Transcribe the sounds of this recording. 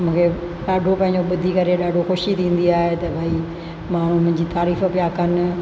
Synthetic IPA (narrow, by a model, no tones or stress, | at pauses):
mũːkʰe | ɗaːɖʱopɐ̃ɪ̃ɲd͡ʑoɓʊd̪ʱikɐɾeɗaːɖʱoxoːʃit̪ʰĩːn̆d̪iaːɦet̪ɐbʱai | maːn̤ũmʊ̃ɦɪ̃ɲd͡ʑiːt̪aːɾiːfpɪjakɐnɪ̆